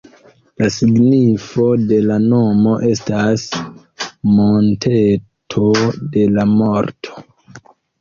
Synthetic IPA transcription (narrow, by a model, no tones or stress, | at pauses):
lasiɡnifo̞de̞lano̞mo̞ʔe̞s̬tas | montʰe | tʰo̞de̞lamo̞ɾtʰo̥